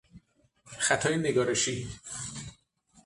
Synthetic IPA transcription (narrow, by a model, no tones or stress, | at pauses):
xæt̪ʰɒːjeneɡɒːɾeʃi